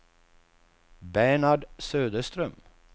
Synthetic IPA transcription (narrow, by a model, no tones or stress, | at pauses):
bæɳaɖsøːd̪əst̪ɾœm